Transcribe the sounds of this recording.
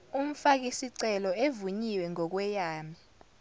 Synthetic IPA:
um̩fak̬isiǀɛlɔevuɲiwɛŋɔk̬wɛjaːmi

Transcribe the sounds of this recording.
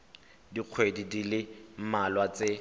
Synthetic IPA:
diq͡χʰwedidilɪmalwat͡se

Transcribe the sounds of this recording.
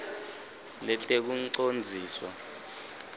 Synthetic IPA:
lɛtʼek̬uǀond͡zʱiːswa

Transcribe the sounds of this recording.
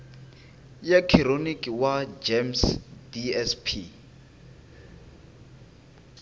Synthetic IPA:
jakʰironikʼiwad͡ʒemsdiɛspʰi

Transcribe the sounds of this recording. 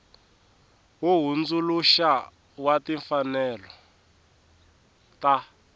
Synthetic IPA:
ɦuɦund͡zuluʃa | watiɱfanɛlɔ | ta

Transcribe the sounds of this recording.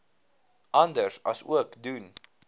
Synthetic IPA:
ʔɑndəɹsɑ̰sṵəkdun

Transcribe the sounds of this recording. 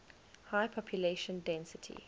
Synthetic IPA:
haɪpʰɔpʰjuleʃə̃ndɛ̃nsɪtʰḭ

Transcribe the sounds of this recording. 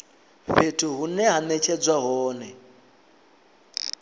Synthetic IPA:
ɸetʰuɦunɛɦanɛt͡ʃʰɛd͡zwaɦɔːnɛ

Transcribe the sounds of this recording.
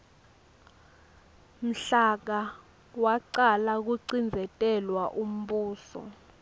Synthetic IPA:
m̩ɬak̬a | waǀalak̬uǀind͡zʱɛtʼɛlwaʔum̩ɓuːsɔ̰

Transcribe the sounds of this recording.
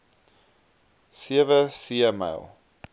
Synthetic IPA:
siəvəsiəma̰lˠ

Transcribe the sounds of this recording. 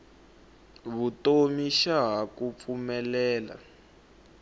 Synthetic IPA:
βutomiʃaɦakup̪fumɛlɛːla̰

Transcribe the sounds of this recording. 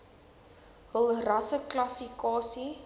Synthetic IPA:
ɦəlˠrɐsəklɐsikɑːsi

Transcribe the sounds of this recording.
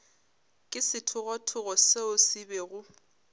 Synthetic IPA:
kʼɪsɪtʰʊɣɔtʰʊɣɔseʊsɪbɛɣʊ

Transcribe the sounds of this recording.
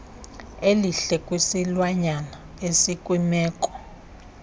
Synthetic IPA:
eliɬɛkʼwisilwaɲana | esikʼwimɛːkʼɔ̥

